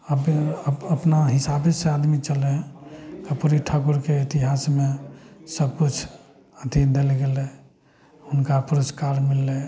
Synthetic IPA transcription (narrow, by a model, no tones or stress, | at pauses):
əbəpnaɦisabesead̪mit͡ʃəlɛkəpuɾiʈʰakuɾkeit̪iɦasmesəb̚kut͡ʃʰ | əd̪ʱind̪elɡelɛ | unkapuɾəskaɾmilːɛ